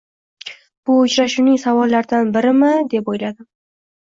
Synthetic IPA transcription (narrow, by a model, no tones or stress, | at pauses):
b̥ʊʊt͡ʃɾaʃunɪŋsavɒlːaɾd̪anbɪɾɪmɪd̪e̞pojlad̪ɪ